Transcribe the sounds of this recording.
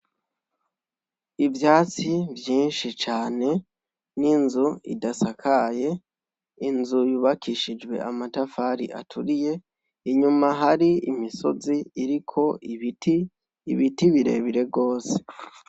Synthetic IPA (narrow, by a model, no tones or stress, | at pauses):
ivjaːt͡sivjiːnʃit͡ʃaːne̞ | ninzuḭdasakʰaje̞ | inzujuβakʰiʃid͡ʒwe̞̰ʔamatafaɾḭʔa̰tʰuɾije̞ | iɲumaɦaɾiimiso̞ziːɾikʰo̞itiː | βitiβiɾe̞̰ːβiɾe̞bɡo̞ːse̞̥